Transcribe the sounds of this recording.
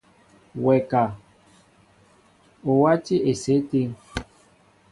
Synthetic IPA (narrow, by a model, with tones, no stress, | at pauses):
wɛ˨ka˨ | o˨wa˦t͡ʃi˦ʔe˨se˨˦te˦